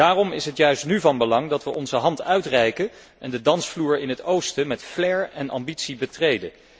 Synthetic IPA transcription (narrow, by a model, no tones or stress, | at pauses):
daːrɔmɪsɦətjœɥstnyvɑnbəlɑŋdɑtʋəʔɔnzəɦɑntœɥtrɛjkə | ʔɛndədɑnsfluːɹɪnɦətowstəmɛtflɛɹɛnʔɑ̰mbitsibətrejdə